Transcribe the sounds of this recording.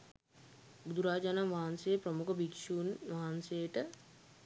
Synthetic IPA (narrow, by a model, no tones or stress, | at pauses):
bud̪uɾaːd͡ʒanamʋaɦansejprəmukəbikʃuːnʋaɦansejəʈə